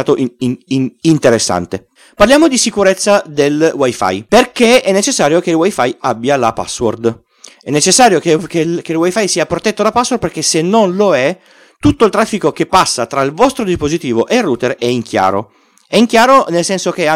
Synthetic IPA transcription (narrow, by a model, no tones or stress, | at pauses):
aːt̪oʔ | int̪eɾesːa̰nt̪e | parljaːmod̪isikuɾet̪sːad̪elwajfa̰jperkeɛnːet͡ʃesːaːɾjokeilwajfajabːjalapa̰sːwo̰rd̪ | ɛnːet͡ʃesːaːɾjokekekelwajfajsiːapɾot̪ɛt̪ːod̪apasːword̪perkesenːonloɛ | t̪ut̪ːoilt̪ɾafːikokepːasːat̪ɾailvɔst̪ɾod̪ispozit̪iːvoʔelruːt̪erɛiŋk̟ʰja̰ːɾo̰ | ɛiŋk̟jaːɾonelsɛnsok̟e